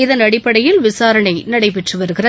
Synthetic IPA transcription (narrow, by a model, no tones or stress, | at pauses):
ɪðɐnɐɽɪpːɐɽɐjɪlʋɪsaːɾɐɳɐɪnɐɽɐɪpɛʈrɯʋɐɾɯɣɪrɐ